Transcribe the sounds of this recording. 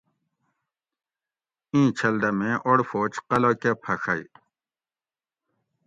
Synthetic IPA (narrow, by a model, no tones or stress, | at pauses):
ĩːt͡ɕʰɐlɖɐmẽʔoɽfoːt͡ɕqɐlokepʰɐʂɐj